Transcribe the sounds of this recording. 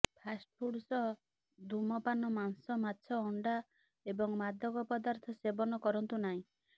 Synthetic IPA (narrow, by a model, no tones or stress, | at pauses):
pʰasʈ̚pʰuɽsɔ | d̪umɔpanɔmansɔmatːsʰɔːɳɖa | ebɔŋmad̪ʱɔɡɔpɔd̪aɾt̪ʰɔsebɔnɔkɔɾɔnt̪unaɦĩ